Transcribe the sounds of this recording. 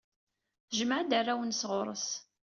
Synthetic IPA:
θʒməʕd̪arːæwənsʁʊɾˤə̰s

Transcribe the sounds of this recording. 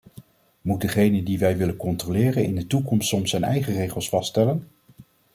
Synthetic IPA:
mut̚dəχejnədiʋɛjʋɪlənkɔntrolɪːrənɪ̰ndətukɔmstsɔmsɛjnɛ̰jχərejχəlˠsfɑstɛlən

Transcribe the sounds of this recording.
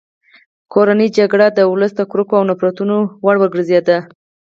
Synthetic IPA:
kʰoɾanid͡ʒaɡɽad̪əʊləsd̪əkɾukoawnapɾɑt̪unowaɽwəɡɽzjɑd̪a

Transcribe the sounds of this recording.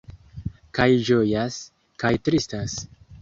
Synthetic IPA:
kajd͡ʒojas | kajtɾistas

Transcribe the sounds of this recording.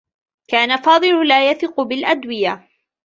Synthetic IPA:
kaːnafɑːd̪ˤɨlʊlaːjaθɪqʊbɪlʔad̪wɪjaː

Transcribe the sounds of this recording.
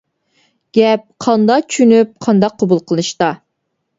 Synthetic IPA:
ɡ̥ʲɛp̚qʰɑnd̪ɑqt͡ʃʰynyp̚qʰɑnd̪ɑqʰːobulˠqʰəlˠɨʃt̪ɑ

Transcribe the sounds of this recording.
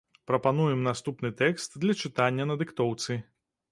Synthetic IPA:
pɾɐpanujɛmnast̪upnɨt̪ɛkst̪d̪lʲɐt͡ʂɨt̪anʲːɐnɐd̪ɨkt̪ɔwt̪sɨ

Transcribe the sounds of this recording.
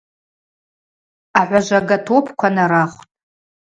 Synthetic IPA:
aħʷaʒʷaɡatʰopʰkʷʰanaɾaχʷtʼ

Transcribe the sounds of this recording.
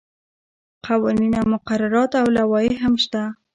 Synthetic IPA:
qʰawɑninamʊqaɾaɾɑt̪awlawɑjeɦamʃt̪a

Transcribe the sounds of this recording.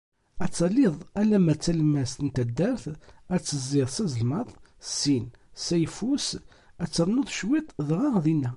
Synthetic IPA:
æt͡sːɑlːɪðˤælæmæt͡sːælmæst̪ənt̪æd̪ːəɾθæt͡sːəzːɪðˤsæzəlmɑðˤsin | sæjfus | æt͡sːəɾˤnoðˤʃwit̪ˤðʁɑʁðinːæ

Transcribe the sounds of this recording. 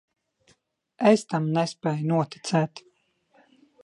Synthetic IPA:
est̪amnɛspɛːjnuɔt̪i̥t̪sɛːt̪

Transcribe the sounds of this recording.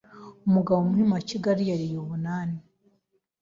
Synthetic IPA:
omuɡaβomuhimaciɡaɾijaɾijoβunaːni

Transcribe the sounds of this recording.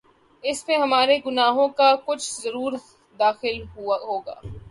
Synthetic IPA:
ɪsmẽɦɐmaːɾeɡʊnaːɦõkakʊt͡ʃʰz̥zɐɾuːɾ | d̪aːxɪlɦoːɡa̰ː

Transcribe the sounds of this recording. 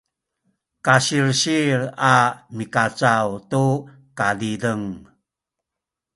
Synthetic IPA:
kaɕiɾɕiɾamikat͡sawtu | kadidəŋ

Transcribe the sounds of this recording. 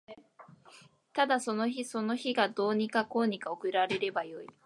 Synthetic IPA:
t̪ad̪aso̞no̞çiso̞no̞çiɡad̪o̞ːɲ̟ikako̞ːɲ̟ikaokɯ̟ɾaɾe̞ɾe̞bajo̞i

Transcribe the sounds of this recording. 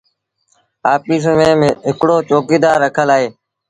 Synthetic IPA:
aːpiːs̬mẽːɦɪkɽoːt͡ʃoːkiːd̪aːɾːəkʰəlaːɦeː

